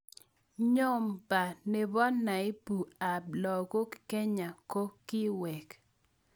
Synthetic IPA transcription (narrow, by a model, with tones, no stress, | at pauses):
ɲo˦mpa˨ne˨bɔ˦nːa˨ɪ˦pu˨a˨b̚lɔ˨ko˦kke˦ɲa˨ko˦kːɪ˦wɛ˨k